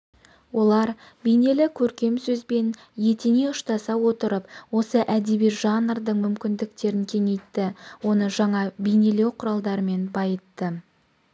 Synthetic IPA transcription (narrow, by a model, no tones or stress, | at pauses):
wo̞lˠɑɾ | bijne̞lɪkʲʰɵɾkʲe̞msɵzbe̞n | je̞t̪ene̞ʊʃt̪ɑsɑwo̞t̪əɾəpwo̞səʔæd̪ebijʒɑnrd̪əɴmʏmkʲɪnd̪ɪk̚t̪e̞ɾɪŋkʲʰe̞ŋe̞jt̪ːɪwo̞nəʒɑɴɑbejne̞le̞wqʰʊɾɑlˠd̪ɑɾəme̞nbɑjət̪ːə